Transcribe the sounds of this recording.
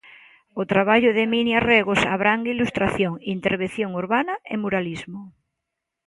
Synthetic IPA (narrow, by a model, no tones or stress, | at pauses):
ot̪ɾaβ̞aʎoðeminjareɣosa̰β̞ɾaŋɡilust̪ɾaθjoŋint̪eɾβ̞enθjoŋuɾβanaemuɾalizmo